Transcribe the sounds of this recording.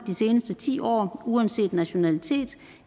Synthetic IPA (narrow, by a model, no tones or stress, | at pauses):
d̥ise̝ːnəsd̥ət͡sʰḭːɒ̰ːuænse̝̰ːd̥næɕo̝nælit͡sʰe̝̰ːd̥